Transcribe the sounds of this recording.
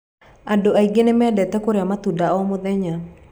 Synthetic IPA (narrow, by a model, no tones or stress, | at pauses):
adoaiɡenemɛdɛtɛkoɾeamat̪udaɔmoðɛɲa